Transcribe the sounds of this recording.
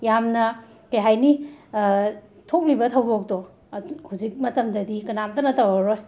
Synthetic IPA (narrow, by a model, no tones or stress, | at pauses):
jamnɐ | kɐjɦajni | tʰok̚libɐtʰɐwdok̚to | huzik̚mɐtɐmdɐdikɐnamtɐnɐtawaɾoj